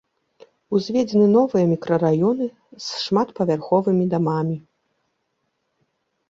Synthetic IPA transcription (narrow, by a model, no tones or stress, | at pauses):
uzʲvʲɛd͡zʲɛnɨn̪ɔvɨjɐmʲikɾɐɾajɔnɨ | sʂmat̪pɐvʲarxɔvɨmʲid̪amamʲi